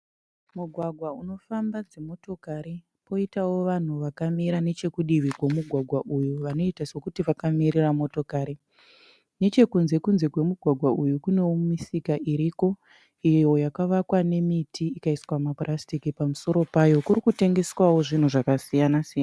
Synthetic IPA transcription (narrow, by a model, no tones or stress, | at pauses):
muɡʱwaɡʱwauno̞fambad͡zemo̞to̞kaɾi | po̞itawo̞ʋan̤uʋakamiɾane̞t͡ʃe̞kuɗiʋikwe̞muɡʱwaɡʱwaʔujuʋano̞itaswokutiʋakamiɾiramo̞to̞kaːɾi | ne̞t͡ʃe̞kunze̞kunze̞kwe̞muɡʱwaɡʱwaʔujukune̞womisikaʔiɾiko̞ | ijo̞jakaʋakwane̞mitʰiikaiswamaprʔastikipamuso̞ɾo̞pajo̞kurikute̞ŋɡe̞swawo̞ʐin̤uʐakasijanasijana